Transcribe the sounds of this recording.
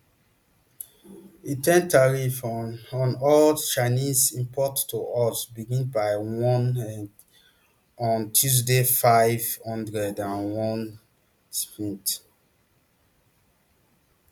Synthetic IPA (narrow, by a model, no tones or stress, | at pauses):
itʰɛ̃ntaɹifɔ̃nɔlt͡ʃanizĩmpʰɔtːoʔɔsbiɡĩnbaɪwɔ̃nɛ | ɔ̃ntʰjuz̬defaɪvhɔ̃ndɹɛdãnwɔ̃n | sfĩnt